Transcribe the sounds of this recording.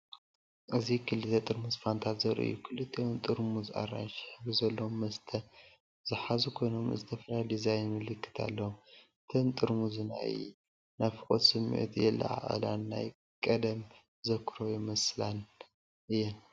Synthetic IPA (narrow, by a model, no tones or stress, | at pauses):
ʔɨzikʰɨlːɨt̪ʰɐt̪ʼɨɾmusfant̪ʰat̪zɐɾʔɨ̰jːukʰɨlɨt̪ʰːeont̪ʼɨɾmuzʔa̰ra̰nʃħbɨzɐlːomːɐst̪ʰɐ | z̥ɨħazukʰo̞jno̞mɨ̰zɨt̪ʰɐfɐlajlizajnmɨlɨkʰːɨ̥t̪ʰa̰lːɐwu | t̪ʰɨnt̪ʼɨɾmuzɨna̰ɨ̰jj | nafɨkʼot̪sɨmːḭʔṵt̪jɛlːɐ̰ʕa̰ʔʼɐ̰la̰nːaj | kʼɐd̪ɐm | zɐkʰɨɾojɛmɐslan | ʔɨjɛn